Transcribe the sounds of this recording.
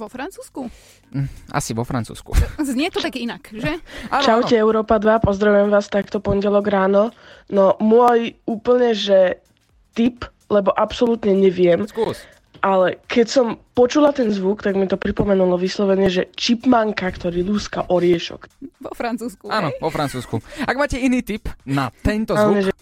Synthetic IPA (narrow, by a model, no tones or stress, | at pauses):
ʋɔfɾant͡suːsku | a̰siʋɔfɾa̰nt͡sṵːskṵɲɛt̪ɔt̪akinakʒɛt͡ʃaʊcɛɛʊɾɔːpad̪ʋapɔzd̪ɾaʋujɛmʋaːst̪akt̪ɔpɔɲɟɛlɔɡɾaːnɔ | nɔmʊɔjuːpl̩ɲɛʒɛ | t̪ip | lɛbɔʔapsɔlut̪ɲɛɲɛʋɪɛm | ʔalɛkɛcsɔmpɔt͡ʃulat̪ɛnzʋukt̪aɡmit̪ɔpɾipɔmɛnulɔʋislɔʋɛɲɛʒɛt͡ʃipmaŋkakt̪ɔɾiːluskaʔɔɾɪɛʃɔ̰kɔfɾant͡suːskanɔʋɔfɾant͡suːskuaɡmaːcɛiniːt̪ipnat̪ɛnt̪aːnɔɲɛʒɛ